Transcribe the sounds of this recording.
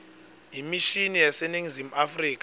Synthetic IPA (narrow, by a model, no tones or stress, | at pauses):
imiʃinijasɛniŋizimuafriːk̬ʼa